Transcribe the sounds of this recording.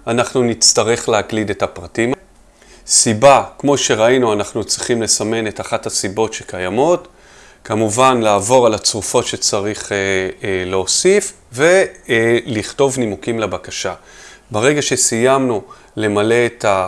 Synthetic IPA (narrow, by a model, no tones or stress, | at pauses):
anaχnunit͡staʁe̞χleaklide̞tapʁatima | sibakmo̞ʃe̞ʁainuanaχnut͡sʁiχimle̞same̞netaχathasibo̞tʃekajamo̞t | kamuvanlaːvo̞ʁalat͡sʁufo̞tʃe̞t͡saʁiχeleosif | ve̞ | liχto̞vnimukimlabakaʃa | baʁe̞ɡaʃe̞sijamnu | le̞male̞ːtʰa